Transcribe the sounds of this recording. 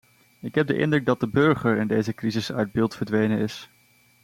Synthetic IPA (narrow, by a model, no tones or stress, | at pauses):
ɪkɦɛb̚də̰ʔɪ̰ndrɵɡ̚dɑd̚dəbɵɹχəɹɪndejzəkrizɪsœ̰ɥd̚bɪːlˠtfəɹdʋejnənɪs